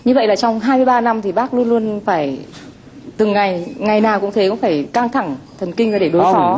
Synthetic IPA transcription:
ɲɨ˧və̰˧˨jlaː˨˩t͡ɕɔ˧wŋ͡mɦaː˧jmɨ˧jɓaː˧na˧mt̪ʰi˨˩ɓaː˦˥k̚lu˧ənlu˧ənfaː˧˩j | t̪ɨ˨˩ŋːa˨˩jŋa˨˩jnaː˨˩wkʊ̰˧˥ŋ͡mt̪ʰe˨˦kʊ̰˧˥ŋ͡mfaː˧˩jka˧ŋt̪ʰa˧˩ŋt̪ʰə˨˩nkï˧ŋ̟vaː˨˩ɗe˧˩ɗo˨˦jsɔ˨˦

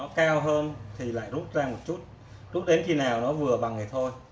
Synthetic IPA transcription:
ɔ˨˦kaː˧wɦəː˧nt̪ʰi˨˩la̰ː˧˨jzu˦˥t̚zaː˧mo˨˩t̚t͡ɕu˦˥t̚ | zu˦˥t̚ɗe˨˦nxi˧naː˨˩wnɔ˨˦vɨ˨˩əɓa˨˩ŋaː˨˩jt̪ʰo˧j

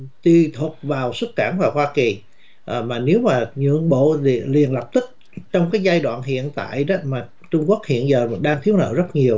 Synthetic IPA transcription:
t̪wi˧t̪ʰu˨˩t̚vaː˨˩wswə˦˥t̚kaː˧˩nvaː˨˩whwaː˧ki˨˩ | ʔmaː˨˩ne˨˦wmaː˨˩ɲɨ̰˧˨əŋɓo̰˧˨˧li˨˩ənlə˨˩p̚t̪i˦˥k̚ | t͡ɕɔ˧wŋ͡mkaː˨˦jzaː˧jɗwa̰ː˧˨nɦḭ˧˨ənt̪a̰ː˧˨jmaː˨˩ | t͡ɕʊ˧ŋ͡mku˦˥ək̚hḭ˧˨ənzəː˨˩ɗaː˧ŋt̪ʰi˨˦əwnə̰ː˧˥zə˦˥t̚ɲi˨˩əw

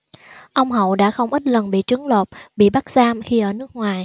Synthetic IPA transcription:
ʔə˧wŋ͡mɦə̰˧˨wɗa̰ː˧˥xə˧wŋ͡mʔi˦˥t̚lə˨˩nɓḭ˧˨t͡ɕɨ˨˦ŋlo˨˩t̚ɓḭ˧˨ɓa˦˥k̚zaː˧mxi˧ʔəː˧˩nɨ˦˥ək̚ŋwaː˨˩j

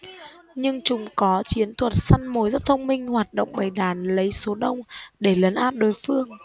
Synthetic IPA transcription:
ɲɨ˧ŋt͡ɕʊ˨˦ŋ͡mkɔ˨˦t͡ɕi˨˦ənt̪ʰwə˨˩t̚sa˧nmo˨˦jzə˦˥t̚t̪ʰə˧wŋ͡mmï˧ŋ̟hwaː˨˩t̚ɗə̰˧˨wŋ͡mɓa˨˩jɗaː˧˩nlə˨˦jso˨˦ɗə˧wŋ͡mɗe˧˩lə˨˦nʔaː˦˥p̚ɗo˨˩jfɨ˧əŋ

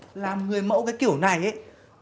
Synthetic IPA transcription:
laː˨˩mŋɨ˨˩əjmə̰˧˥wkaː˨˦jki˧˩əwna˨˩jʔe˨˦

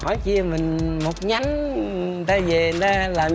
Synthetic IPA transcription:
hɔ˧˩˦jki˧əmï˨˩ŋ̟mo˨˩t̚ɲa˨˦ŋ˨˩ | nt̪aː˧ze˨˩˨nt̪aː˧laː˨˩m

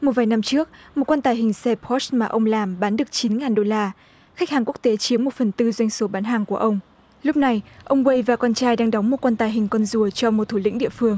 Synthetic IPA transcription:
mo˨˩t̚vaː˨˩jna˧mt͡ɕɨ˦˥ək̚mo˨˩t̚kwa˧nt̪aː˨˩jɦï˨˩ŋ̟sɛ˧phɔ˦˥smaː˨˩ʔə˧wŋ͡mlaː˨˩mɓaː˨˦nɗɨ˨˩ək̚t͡ɕi˨˦nŋaː˨˩nɗo˧laː˧ | xa˦˥k̟̚haː˨˩ŋku˦˥ək̚t̪e˨˦t͡ɕi˨˦əmo˨˩t̚fə˨˩nt̪ɨ˧zwa˧jŋ̟so˨˦ɓaː˨˦nɦaː˨˩ŋku˧˩əʔə˧wŋ͡m | lʊ˦˥p̚na˨˩jʔə˧wŋ͡mwe˧jvaː˨˩kɔ˧nt͡ɕaː˧jɗaː˧ŋɗɔ˨˦wŋ͡mmo˨˩t̚kwa˧nt̪aː˨˩jɦï˨˩ŋ̟kɔ˧nzu˨˩ət͡ɕɔ˧mo˨˩t̪ʰu˧˩lḭ̈˧˥ŋ̟ɗḭ˧˨əfɨ˧əŋ

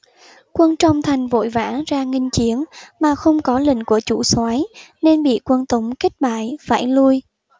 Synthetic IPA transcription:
kwə˧nt͡ɕɔ˧wŋ͡mt̪ʰa˨˩jŋ̟vo̰˧˨jvaː˧˥zaː˧ŋï˧ŋ̟t͡ɕi˨˦ənmaː˨˩xə˧wŋ͡mkɔ˨˦lḭ̈˧˨ŋ̟ku˧˩ət͡ɕṵ˧˩swaː˨˦jne˧nɓḭ˧˨kwə˧nt̪ə˨˦wŋ͡mkə˦˥k̟̚ɓa̰ː˧˨jfaː˧˩jlu˧j

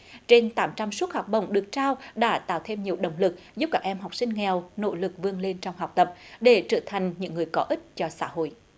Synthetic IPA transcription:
t͡ɕe˧nt̪aː˨˦mt͡ɕa˧msu˦˥t̚ha˨˩k͡p̚ɓə̰˧˨wŋ͡mɗɨ˨˩ək̚t͡ɕaː˧wɗa̰ː˧˥t̪a̰ː˧˨wt̪ʰe˧mɲi˨˩əwɗə̰˨˧˨wŋ͡mlɨ˨˩k̚zu˦˥p̚kaː˦˥k̚ʔɛ˧mɦa˨˩wk͡p̚sï˧ŋ̟ŋɛ˨˩wno̰˧˥lɨ˨˩k̚vɨ˧əŋle˧nt͡ɕɔ˧wŋ͡mɦa˨˩wk͡p̚t̪ə˨˩p̚ɗe˧˩˦t͡ɕəː˧˩t̪ʰa˨˩jŋ̟ɲɨ̰˧˥ŋːɨ˨˩əjkɔ˨˦ʔï˦˥t̚t͡ɕɔ˧sa̰ː˧˥ɦo̰˧˨jʔ

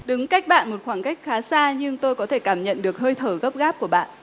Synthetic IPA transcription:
ɗɨ˨˦ŋka˦˥jk̟̚ɓa̰ː˧˨nmo˨˩t̚xwaː˧˩ŋka˦˥jk̚xaː˨˦saː˧ɲɨ˧ŋt̪o˧jkɔ˨˦t̪ʰe˧˩kaː˧˩mɲə̰˧˨nɗɨ˨˩ək̚həː˧jt̪ʰəː˧˩ɣə˦˥p̚ɣaː˦˥p̚ku˧˩əɓa̰ː˧˨n

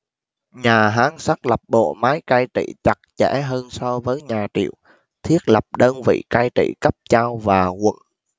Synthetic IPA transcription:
ɲaː˨˩ɦaː˨˦ŋsa˦˥k̚lə˨˩p̚ɓo̰˧˨maː˨˦jkaː˧jt͡ɕḭ˧˨t͡ɕa˨˩k̚t͡ɕɛ̰˧˩˥ɦəː˧nsɔ˧vəː˨˦jɲaː˨˩t͡ɕḭ˧˨əw | t̪ʰi˦˥ət̚lə˨˩p̚ɗəː˧nvḭ˧˨kaː˧jt͡ɕḭ˧˨kə˦˥p̚t͡ɕaː˧wvaː˨˩ɣə̰˧˨n

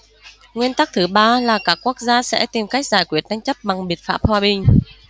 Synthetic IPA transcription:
ŋwi˧ənt̪a˦˥k̚t̪ʰɨ˨˦ɓaː˧laː˨˩kaː˦˥kːu˦˥ək̚zaː˧sɛ̰˧˥t̪i˨˩mka˦˥jk̟̚zaː˧˩jkwi˨˩ət̚n˧jŋ̟t͡ɕə˦˥p̚ɓa˨˩ŋɓi˨˩ət̚faː˦˥p̚hwaː˨˩ɓï˨˩ŋ̟

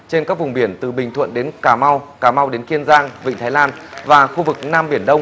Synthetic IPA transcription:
t͡ɕe˧nkaː˦˥k̚vʊ˨˩ŋ͡mɓi˧˩ənt̪ɨ˨˩ɓï˨˩ŋt̪ʰwə̰˧˨nɗe˨˦nkaː˧˩ma˧wkaː˧˩ma˧wɗe˨˦nki˧ənzaː˧ŋvḭ˧˨ŋ̟t̪ʰaː˨˦jlaː˧nvaː˨˩xu˧vɨ˨˩k̚naː˧mɓi˧˩ənɗə˧wŋ͡m

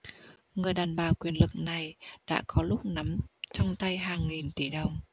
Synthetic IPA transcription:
ŋɨ˨˩əjɗaː˨˩nɓaː˨˩wkwi˨˩ənlɨ˨˩k̚na˨˩jɗa̰ː˧˥kɔ˨˦lʊ˦˥k͡p̚na˨˦mt͡ɕɔ˧wŋ͡mt̪a˧jɦaː˨˩ŋːi˨˩nt̪i˧˩ɗə˨˩wŋ͡m

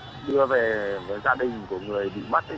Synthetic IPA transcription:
ɗɨ˧əve˨˩vəː˨˦jzaː˧ɗï˨˩ŋ̟ku˧˩əŋɨ˨˩əjɓḭ˧˨ma˦˥t̚

